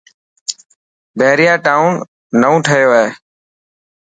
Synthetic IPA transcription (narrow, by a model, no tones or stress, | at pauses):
bʱeːɾɪjaːʈaːʊ̃nː | əũːʈʰəjoːɛː